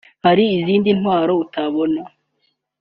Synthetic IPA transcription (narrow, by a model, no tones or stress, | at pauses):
haɾiːziːndin̥hwaːɾo̞utaβo̞na